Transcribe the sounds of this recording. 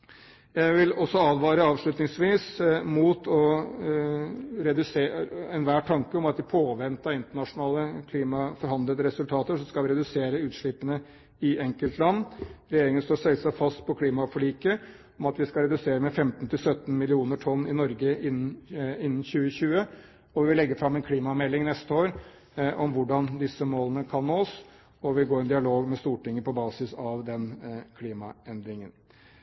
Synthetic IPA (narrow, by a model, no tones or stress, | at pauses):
jæɪʋɪlɔsːɔɑːd̪ʋɑːɾəɑːʋʂɭʉt̪nɪŋsʋiːsmuːt̪ɔ | ɾɛd̪ʉseːɛnʋæːʈʰɑŋkəɔmɑt̪̚d̪ɪpʰoːʋɛnt̪ɑɪnt̪əɳɑʂʊnɑːləkʰliːmɑfɔɾhɑnd̪ləd̪əɾɛsʉlt̪ʰɑːt̪əʂɔskɑlʋɪɾɛd̪ʉseːɾəʉːt̪ʂɭɪpənə | ɪɛŋkəlt̪lɑnːɾɛjeːɾɪŋənst̪oːsɛləsæfɑst̪pʰɔkʰliːmɑfɔɭiːkə | ɔmɑt̪ʋɪskɑɾɛd̪ʉseːɾəmɛfɛmt̪n̩t̪ʰɪlsœt̪ːn̩mɪlɪuːnəʈʰɔnːɪnɔɾɡəʔɪnːnɪnːn̩ɕʉːəçʉːə | ɔʋɪʋɪlɛɡːəfɾɑmːɛnkʰliːmɑmɛlːɪŋnɛst̪əoːɾ | ʔɔmʋʊɖɑnd̪ɪsːəmoːlənəkʰɑnːoːs | ɔʋɪɡoːɾɛnd̪ɪɑloːɡmɛst̪uːʈɪŋːəpʰɔbɑːsɪsɑʋd̪ɛnkʰliːmɑ̰ɛnd̪ɾɪŋən